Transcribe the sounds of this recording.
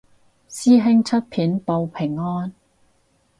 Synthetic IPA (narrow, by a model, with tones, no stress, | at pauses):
siː˥ɦɪ˥ŋt͡sʰɵ˥t̚pʰiː˨˥npo˧wpʰɪ˨˩ŋːɔː˥n